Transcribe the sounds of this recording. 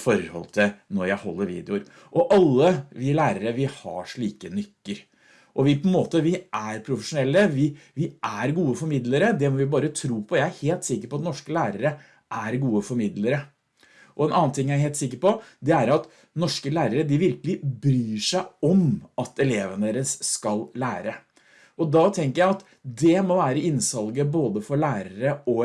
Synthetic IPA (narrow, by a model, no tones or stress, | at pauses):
fɔɾhɔ̰lt̪ʰɪnɔɾjæɪhɔ̰lːəɾʋḭːd̪ɛʊɾ | ʔɔʔɑlːəʋɪlæːɾəɾəʋɪhɑ̰ʂɭiːkənʏt̪ːəɾ | ʔɔʋɪpʰɔɛnmoːt̪əʋɪʔæɾpʰɾʊfəʂʊnɛlːəʋɪʋɪʔæɾɡuːəfɔɾmɪd̪ləɾəd̪ɛmɔʋɪbɑːɾət̪ʰɾuːpʰɔjæɪæɾheːlt̪sɪkːəɾpɔɑt̪nɔʂkəlæːɾəɾə | ʔæɾɡuːəfɔɾmɪd̪ləɾə | ʔɔɛnʔɑːn̩t̪ɪŋːjæɪɦeːlt̪sɪkːəɾpɔd̪ɛæɾɑt̪ | nɔʂkəlæːɾəɾəd̪ɪʋɪɾkəlɪbɾyːʂæɪɔmɑt̪ɛleːʋənd̪eːɾəsskɑllæːɾə | ʔɔd̪ɑt̪ʰɛŋkəɾjæɪɑt̪ | d̪ɛmɔʋæːɾəɪnsɑlɡəboːd̪əfɔɭæːɾəɾəɔ